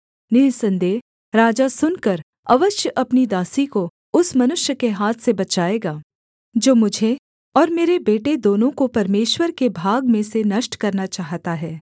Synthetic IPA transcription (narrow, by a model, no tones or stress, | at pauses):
nɪlsɐ̃nd̪eː | ɾaːd͡ʒasʊnkɐɾ | ɐʋəʃjəʔɐpnid̪aːsiko | ʊsmɐnʊʃjəkeɦaːt̪ʰsebɐt͡ʃaːeːɡaː | d͡ʒoːmʊd͡ʒʱe | ɔːɾmeːɾebeːʈed̪oːnõkopɐɾmeːʃwəɾkebʱaːɡmẽsenɐʃʈkɐɾnat͡ʃaːɦt̪aɦɛː